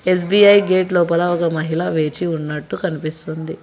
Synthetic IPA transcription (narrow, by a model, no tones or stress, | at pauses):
e̞s̬biɐjɡeːʈloːpɐlɐɔkɐmɐɦilɐʋe̞ːt͡ʃiunːɐʈːukɐnipist̪und̪i